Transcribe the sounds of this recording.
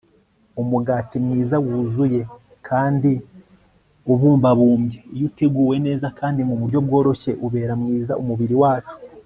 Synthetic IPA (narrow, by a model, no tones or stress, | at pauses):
umuɡaːtimŋiːzawuːzuje̞ | kʰaːndi | uβuːmbaβuːmɟejuteɡuːwe̞ne̞ːzakaːndimuβuɾɟo̞b̚ɡo̞ːɾo̞çe̞ʔuβe̞ːɾamŋiːza̰ʔumuβiɾiwaːt͡ʃu̥